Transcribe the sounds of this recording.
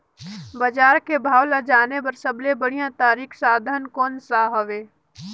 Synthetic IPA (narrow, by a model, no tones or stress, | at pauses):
bəd͡ʒaːɾkebʱaːwlad͡ʒaːnepɐɾsəblebəɽ̤ijãt̪aːɾiːkʰsaːd̪ʱənkɔːnsaːɦəʋeː